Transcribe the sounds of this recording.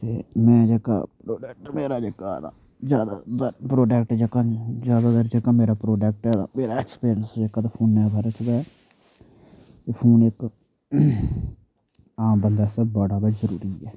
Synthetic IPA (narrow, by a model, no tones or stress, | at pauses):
t̪eːmɛ̃ːd͡ʒeːka̰ːpɾoːɖɛːkʈmeːɾaːd͡ʒeːkaːd̪a̰ | zjaːd̪a̰d̪əɾpɾoːɖɛːk̚ʈd͡ʒeːkãd͡ʒaːd̪aːd̪əɾd͡ʒeːkãːmeːɾaːpɾoːɖɛːk̚ʈɛːd̪a̰ːmeːɾaːɛkspiːɾənsd͡ʒeːkaːt̪aːpʰoːnːɛ̃ːbaɾət͡ʃd̪aːɛ | t̪eːpʰoːnɪk | aːmbənd̪aːst̪eːbəːɽaːd̪azəɾuːɾiːɛː